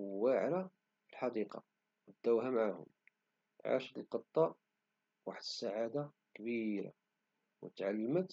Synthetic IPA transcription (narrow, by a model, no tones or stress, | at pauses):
waʕɾa | filħɑd̪iqɑ̰ | wəd̪ːæwɦæmʕahʊ̰m | ʕa̰ʃət̪əlqət̪ˤːɑʔ | waħəd̪əsːaʕad̪a | kbiɾa̰ | wət̪ʕalːəmət̪